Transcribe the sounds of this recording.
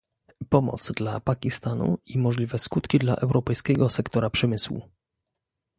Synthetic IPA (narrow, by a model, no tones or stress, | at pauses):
pɔmɔ̰t̪sd̪lapakʲist̪anṵimɔʐlʲivɛskut̪kʲid̪la̰ʔɛwɾʔɔpɛjskʲɛɡɔsɛkt̪ɔɾapʂɛmɘswṵ